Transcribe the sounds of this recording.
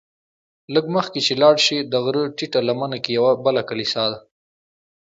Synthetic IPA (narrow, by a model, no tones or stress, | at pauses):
ləɡməxket͡ʃelɑɽʃid̪əɣɾəʈiʈalamanakejawabəlakalisɑd̪a